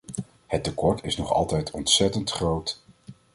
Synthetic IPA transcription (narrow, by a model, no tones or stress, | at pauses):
hətːəkɔɹtɪsnɔχɑ̰lˠtɛjtʰɔntsɛtəntχrowt